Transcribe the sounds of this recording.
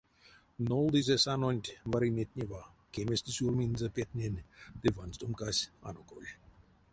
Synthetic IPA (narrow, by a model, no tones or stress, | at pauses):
nolˠd̪izʲesanonʲt̪ʲvaɾinʲet̪̚ʲnʲevakemʲest̪isʲulminzapʲet̪̚ʲnʲenʲd̪evanst̪omkasʲa̰noko̰lʲ